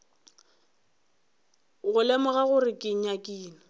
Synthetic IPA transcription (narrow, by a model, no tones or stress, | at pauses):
ɣʊlemʊɣaɣʊrɪkʼɪɲ̩akʼiːnɔ